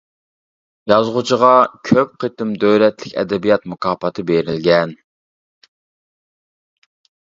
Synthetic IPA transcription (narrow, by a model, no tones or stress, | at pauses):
jɑzʁʊt͡ʃʰəʁɑkʲʰøp̚qʰət̪ɪmd̪øwlɛt̪lɪkʲɛ̰d̪ɛbijɑt̪mukʰɑːpɑt̪ʰɨbeɾɪlɡʲɛn